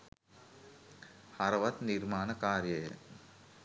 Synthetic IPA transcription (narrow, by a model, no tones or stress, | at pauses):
hɐɾɐʋɐt̪nirmaːnɐkaːrjɐjə̰